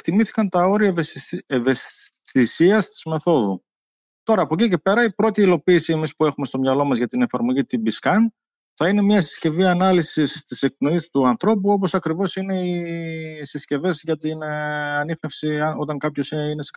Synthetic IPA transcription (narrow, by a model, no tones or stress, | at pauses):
t̪imiθi̥kɐnt̪ɐo̞ɾiɐeve̞sθisiɐst̪i̥zme̞θo̞ðu | t̪o̞ɾɐːpocice̞pe̞ɾɐipɾo̞t̪iilo̞piːsie̞mispue̞xume̞st̪o̞mɲɐlo̞mɐzʝɐt̪ine̞fɐɾmo̞ʝit̪ibiskɐn | θɐine̞mɲɐesi̥sce̞viɐnɐlisist̪ise̞k̚pno̞ist̪uɐnθɾo̞puo̞po̞sɐkɾivo̞sine̞i | sisce̞ve̞zʝɐt̪inɐnixne̞fsiɐo̞t̪ɐŋkɐpço̞seines